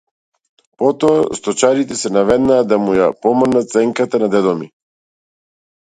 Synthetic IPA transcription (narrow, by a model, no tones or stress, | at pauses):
pɔt̪ɔast̪ɔt͡ʃaɾit̪ɛsɛnavɛd̪naːd̪amujapɔmnat̪t̪sɛŋkat̪anad̪ɛd̪ɔmi